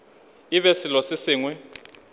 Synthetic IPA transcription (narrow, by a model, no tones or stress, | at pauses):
iɓɛsilosisiːŋwɛ